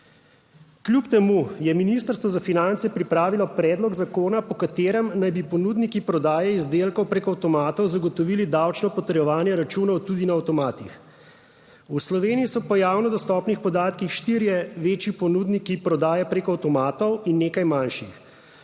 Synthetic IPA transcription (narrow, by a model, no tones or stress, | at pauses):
klʲjupt̪ɛmujɛminist̪əɾst̪ʋɔzafinant̪sɛpɾipɾaːʋilɔpɾɛːd̪lɔɡzakoːnapɔkat̪eːɾɛmnajbipɔnuːd̪nikipɾɔd̪aːjɛizd̪eːlkɔwpɾekɔawt̪ɔmaːt̪ɔwzaɡɔt̪ɔʋiːlid̪awt͡ʃnɔpɔt̪əɾjɛʋaːnjɛɾat͡ʃuːnɔwt̪ud̪inaːwt̪ɔmaːt̪ix | uslɔʋeːniisɔpɔjaːwnɔd̪ɔst̪ɔːpnixpɔd̪aːt̪kixʃt̪iːɾjɛʋeːt͡ʃjipɔnuːd̪nikipɾɔd̪aːjɛpɾeːkɔawt̪ɔmaːt̪ɔwinːeːkajmanʃix